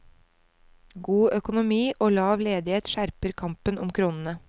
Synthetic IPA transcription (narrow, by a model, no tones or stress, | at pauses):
ɡuːœkʊnʊmiːʔoːlɑːʋleːd̪ɪheːt̪ʃæɾpəɾkʰɑmpənʊmkʰɾuːnən̩ə